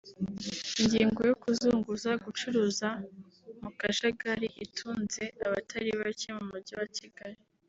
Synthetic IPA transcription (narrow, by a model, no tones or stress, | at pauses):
iɲɟiːŋɡojokuzuːŋɡuzaɡut͡ʃuɾuːza | mukaʃaɡaɾiʔitʰuːnze̞aβatʰaɾiβacimumuɾɟiwat͡ʃiɡaɾi